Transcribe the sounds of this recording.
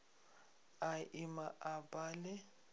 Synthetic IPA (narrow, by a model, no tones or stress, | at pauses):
aɪmaʔabaːlɛ